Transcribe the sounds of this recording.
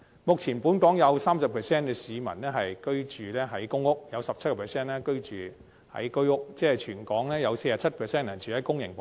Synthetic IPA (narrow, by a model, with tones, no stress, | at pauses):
mʊ˨k̚t͡sʰiː˨˩npu˨˥nkɔː˨˥ŋjɐ˨˧wsaː˥msɐ˨pʰɛː˨sɛː˥nkɛː˧siː˨˧mɐ̰˨˩nnɛː˥ɦɐ˨jkɵ˥ɥt͡ʃyː˨˩lɛː˥ɦɐ˨˥jkʊ˥ŋʊ˥k̚jɐ˨˧wsɐ˨p̚t͡sʰɐ˥kɔ˨˧pʰɛː˨˩sɛː˥nɛː˥kɵ˥ɥt͡ʃyː˨ | hɐ̰˨˥jkɵ˥ɥʊ˥k̚t͡sɛː˥t͡ʃʰyː˨˩nkɔː˨˥ŋlɛː˥jɐ˨˧wse˧jaː˨˥t͡sʰɐ˥t̚pʰɛː˨sɛː˥nɐː˨˩nt͡ʃʰyː˨hɐ˨˥jkʊ˥ŋjɪ̰˨˩ŋp